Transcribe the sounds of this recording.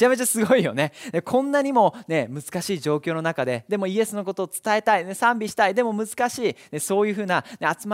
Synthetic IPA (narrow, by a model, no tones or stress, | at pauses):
ame̞t͡ɕasɨɡo̞ijo̞̰ne̞d̪ekʰõ̞nːaɲ̟imo̞ne̞mɯ̟zɨ̥kaɕiːʑo̞ːkʲo̞ːno̞nakad̪e̞d̪e̞moie̞sɨno̞k̬o̞t̪o̞ːt͡sɨ̥t̪ae̞t̪ainesãmbʲiɕi̥t̪aid̪e̞mo̞mɯ̟zɨ̥kaɕiːne̞so̞ːjɯ̟ːɸɯ̟ːnane̞at͡sɨm